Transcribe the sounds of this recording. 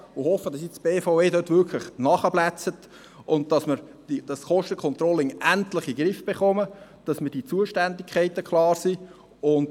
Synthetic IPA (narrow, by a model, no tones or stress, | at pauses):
ʊhɔfəd̥ɑsjɛsb̥eːfaʊeːdøtvʏkʰlɪχnɑχəblæt͡sət | ʊnt̚d̥ɑsmɪɾd̥id̥ɑsχɔʃtəkʰɔnt̪rɔlɪŋæntlɪχiɡɾɪfb̥eχɔməd̥ɑsmədiːt͡suəʃtændɪkχæɪtəkʰlɑːɾsiː | ʊnd